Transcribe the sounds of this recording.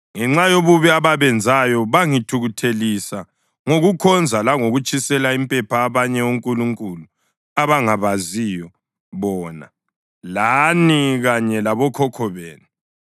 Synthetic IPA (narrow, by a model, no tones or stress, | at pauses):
ŋɛŋ͡ǁajoβuβiaβaβɛnd͡zʱajɔβaŋitʰuɣutʰelisa | ŋoɣukʰɔnd͡zʱalaŋoɣut͡ʃʼisɛlaimpʼɛpʰaːβaɲɛuŋkʼuluŋkʼulu | aβaŋaβazijɔ | βɔːna̰ | laniɣaɲɛlaβɔkʰɔkʰɔβeːnu